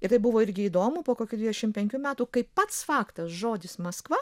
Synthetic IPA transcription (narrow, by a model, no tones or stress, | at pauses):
ɪɾt̪ɐɪbʊʋoːɪɾʲɡʲɪiːd̪oːmʊpoːkoːkʲud̪ʲʋʲiːd̪ʲɛʃʲɪmpʲɛŋʲkʲuːmʲæːt̪uːkɐɪppɐt̪sfɑːkt̪ɐsʒoːd̪ʲɪsmɐskʋɐ